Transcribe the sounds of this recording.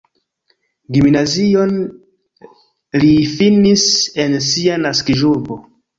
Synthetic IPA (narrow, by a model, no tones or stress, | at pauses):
ɡimnazio̞n | lifinise̞nsianaskiʒuɾbo